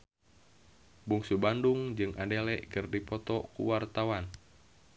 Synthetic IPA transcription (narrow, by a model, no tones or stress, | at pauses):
buŋsubanduŋd͡ʒɨŋʔadɛlɛʔkɨrdipɔt̪ɔkṵwart̪awan